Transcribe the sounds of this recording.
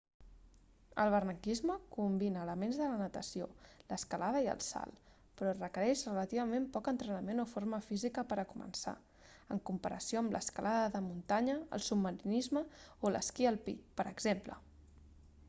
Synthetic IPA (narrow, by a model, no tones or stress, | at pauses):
ə̰lˠβ̞ərnəkizməkumbinəːləmenzðələnət̪əsioləskəlaðəiə̰lˠsa̰lˠ | pɾɔrəkəɾɛʃrələt̪iβəmempɔkənt̪ɾənəmenofoɾməfizikəpəɾəkumə̰nsa̰ | ə̰ŋkumpəɾəsioəmlʔə̰skəlʔaðəðəmunt̪aɲə̰ːlˠsubməɾinizməolʔə̰skiəlˠpḭpəɾəɡzemplə̰